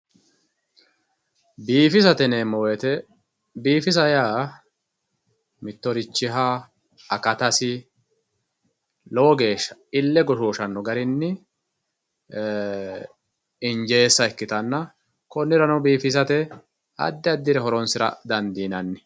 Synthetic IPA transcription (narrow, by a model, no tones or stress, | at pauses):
biːfɪsɐt̪ɛneːmɔwɛt̪ɛ | biːfɪsɐjaː | mɪt̪ːɔɾɪt͡ʃːɪɦa | ɐkɐt̪ɐsɪ | lɔwɔɡe̞ːʃːɐ̥ɪlːɛɡɔʃoːʃɐnːɔɡɐɾɪnːɪ | ɪnd͡ʒe̞ːsːɐɛkːɪt̪ɐnːɐ | kɔnːɪɾɐnɐwbiːfɪsɐt̪ɛ | ɐ̰d̪ːɪɐd̪ːɪɾɛɦɔɾɔnsɪɾɐ̰d̪ɐnd̪iːnɐnːɪ